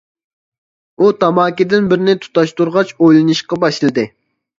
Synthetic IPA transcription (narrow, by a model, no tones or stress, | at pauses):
ut̪ʰɑmɑːkʲid̪ɪnbɪɾnɪt̪ʰu̥t̪ɑʃt̪uɾʁɑt͡ʃojlˠɨnɨʃqɑbɑʃɨlˠɨd̪ɨ